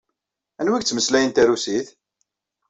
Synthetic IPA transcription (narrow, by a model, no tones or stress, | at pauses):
ænwiɡt͡sːməslæjənt̪æɾusiθ